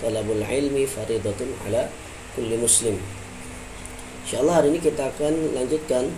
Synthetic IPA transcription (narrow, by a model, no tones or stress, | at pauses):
t̪ˤɑlabalʕɪlmifɑɾiːd̪ˤɑt̪ʕa̰la | kʊlːimʊslɪm | ɪʃaɑlˠˤːɑaɾinikit̪akanlaŋd͡ʒɪt̪̚kan